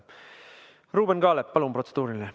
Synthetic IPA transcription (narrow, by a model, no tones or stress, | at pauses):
ruːbenɡ̥ɑːlepːɑlumpro̞t̪sed̪̥uːɾile